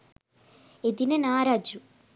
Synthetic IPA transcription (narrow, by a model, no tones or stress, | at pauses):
ed̪inɐnaːɾaːd͡ʒu